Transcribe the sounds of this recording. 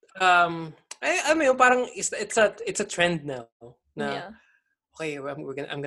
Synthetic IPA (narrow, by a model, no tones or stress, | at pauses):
ʔʔɐmʔɐʔɐlɐmojopaːɾɐŋɪsɐʔɪt̪sɐɪt̪sɐt̪ɹɛnd̪̚na | nɐ | ʔoːkejwɐjmɪɡɐnɐʔɐ̰jmɡ